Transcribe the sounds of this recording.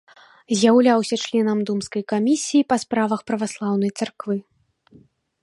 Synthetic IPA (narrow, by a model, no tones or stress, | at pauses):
zʲjawlʲawsʲɐt͡ʂlʲɛnɐmd̪umskɐjkamʲisʲijipɐspɾavɐxpɾɐvaslˠawn̪ɐjt̪sarkvɨ